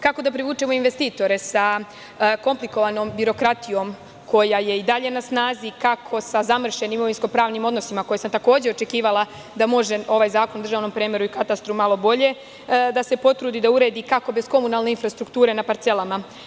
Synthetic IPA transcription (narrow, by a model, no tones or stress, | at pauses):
kako̞d̪apɾiʋuːt͡ʃe̞mo̞inʋe̞st̪iːt̪o̞ɾe̞sa | ko̞mpliko̞ʋano̞ːmbiɾo̞kɾat̪ijo̞ːm | kʰo̞jaje̞id̪aʎe̞nasnaːzikakʰo̞sazamr̩ʃe̞nimoʋinsko̞pɾaːʋnimo̞d̪no̞simako̞jesamt̪ako̞ːd͡ʑeo̞t͡ʃe̞kiːʋalˠa | d̪amo̞ʒe̞o̞ʋajzaːkonud̪r̩ʒaːʋno̞mpɾeːmeɾuikat̪ast̪ɾumalo̞bo̞ʎe̞ | d̪ase̞po̞t̪ɾuːd̪id̪auɾe̞ːd̪ikako̞be̞sko̞munalˠne̞infɾast̪ɾukt̪uːɾe̞napaɾt̪se̞lama